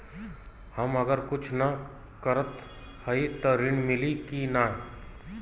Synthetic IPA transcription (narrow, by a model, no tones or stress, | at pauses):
hɐmɐɡəɾkʊt͡ʃʰnɐ | kəɾət̪ | hɐit̪oɾɪɳmɪlikinaːɦ